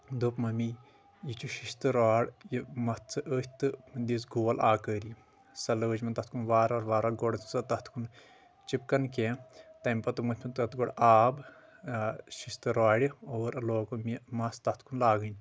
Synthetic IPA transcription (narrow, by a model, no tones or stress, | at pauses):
d̪opmɐmi | jit͡ʃʰuʃist̪ɨɾaːɽjimɐt̪ʰt͡sɨʔəːhʲt̪ɨmnd̪is̬ɡoːɐlaːkəːɾi | sɐlɐəːt͡ʃʲmɐnt̪ɐt̪ʰkunʋaːɾaːɾʋaːɾɐːɡoɽsɐt̪ɐt̪ʰkʰun | t͡ʃip̚kɐnkẽt̪ɐmʲpɐt̪ɨmɐt̪ʲʰmɐnt̪ɐt̪ɡoɽaːb | ʃist̪ɨɾaːɽʲioːɾɐloːkomimɐst̪ɐt̪ʰkʰunlaːɡɨnʲ